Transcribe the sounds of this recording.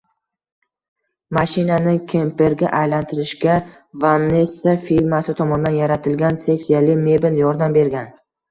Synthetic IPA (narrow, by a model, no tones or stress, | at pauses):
maʃɪnanɪkʲʰempe̞ɾɡʲa̰ʔajlant̪ʰɪɾɪʃɡʲa | vanːesːafiɾmasɪt̪ʰɒmɒnd̪anjaɾat̪ʰɪlɡʲanse̞ksijalɪme̞bɪljɒɾd̪ambe̞ɾɡʲan